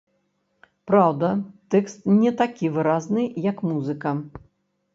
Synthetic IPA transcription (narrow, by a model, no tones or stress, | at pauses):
pɾawd̪ɐt̪ɛkst̪nʲɛt̪akʲivɨɾaznɨjɐkmuzɨkɐ